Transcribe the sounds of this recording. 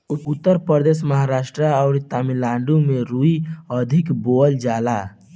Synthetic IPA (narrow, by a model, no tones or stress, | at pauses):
ʊpʊt̪ːəɾpɾəɾd̪eːʃməɦaɾaːʃʈɾəɔːɾt̪amilãːɳɖumẽɾuiəd̪ʱɪkboəld͡ʒaːlaː